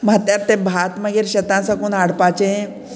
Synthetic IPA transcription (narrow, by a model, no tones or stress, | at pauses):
m̤at̪jaɾt̪ebʱat̪məɡeːɾɕət̪ãsakuːnaɽpat͡ɕeẽ